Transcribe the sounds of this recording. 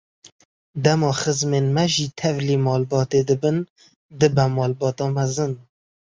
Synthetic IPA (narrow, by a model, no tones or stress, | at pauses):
d̪ɛmɑːxəzmeːnmɛʒiːt̪ʰɛvliːmɑːlbɑːt̪ed̪ɨbɨn | d̪ɨbɛmɑːlbɑːt̪ɑːmɛzɨn